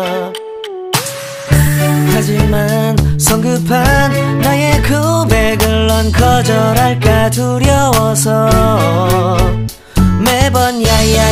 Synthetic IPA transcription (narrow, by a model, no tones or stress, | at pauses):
had͡ʑimansʰʌŋɡɯpʰanːajekʰɯbeɡɯɭːʌnkʰʌd͡ʑʌɾaɭk͈atuɾjʌwʌsʰʌ | mebʌnjaa